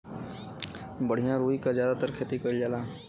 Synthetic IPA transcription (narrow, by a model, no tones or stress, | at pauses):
bəɽ̤ijãɾuːikazjaːd̪at̪əɾkʰeːt̪ikəild͡ʒaːlaː